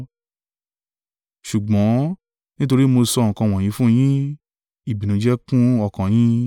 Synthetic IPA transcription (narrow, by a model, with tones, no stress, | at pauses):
ʃu˨ɡ͡bɔ̃˨˦ | nĩ˦t̬o˧ɾi˦mo˧sɔ˧˨ŋ̩˨kã˧w̃ɔ̃˨jĩ˨˧˦fũ˦˧j̃ĩ˦ | i˨bi˨nũ˨˦d͡ʒɛ˦kũ˦ɔ˧kã˨j̃ĩ˦